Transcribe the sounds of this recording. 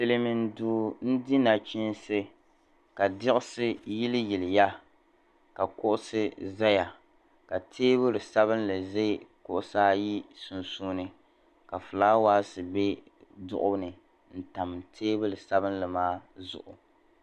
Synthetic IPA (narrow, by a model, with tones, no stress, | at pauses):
sɨ˨lɨ˦mɪ˨n˨duː˨n̩˦dɪ˦na˨t͡ʃi˦n˦sɨ˦ | ka˨dɪ˦ʔʊ˦sɨ˦ji˦lɪ˦ji˨lɪ˨ja˦ | ka˨kʊ˦ʔʊ˦sɨ˦za˦ja˨ | ka˨tʰeː˦bɨ˦lɨ˨sa˦βɨ˦n˦lɨ˨ze˦kʊ˦ʔʊ˦saː˦ji˦su˨nsuː˦nɨ˦ | ka˨fɨ˨laː˦waː˦sɨ˨be˦ | dʊ̰˦ʔʊ˦bnɨ˨ | n̩˨ta˨m˨tʰeː˦bɨ˦lɨ˨sa˦bɨ˦n˦lɨ˨maː˦zʊ̰˦˨ʔʊ̰˨